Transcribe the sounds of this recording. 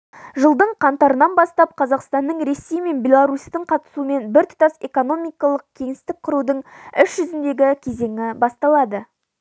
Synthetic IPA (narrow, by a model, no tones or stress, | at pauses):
ʒəlˠd̪əɴqʰɑnt̪ɑɾənɑnbɑst̪ɑp̚qʰɑzɑqst̪ɑnːəɴɾe̞sːe̞jme̞nbʲe̞lˠaɾust̪əɴqʰɑt̪ə̥suəme̞nbɪɾt̪ʰʊ̥t̪ɑse̞ko̞no̞mijkɑlˠəq̚kʲʰe̞ŋɪst̪ɪk̚qʰʊɾud̪əɴʏʃʒʏzɪnd̪e̞ɡʲɪkʲʰe̞ze̞ŋɪbɑst̪ɑlˠɑd̪ə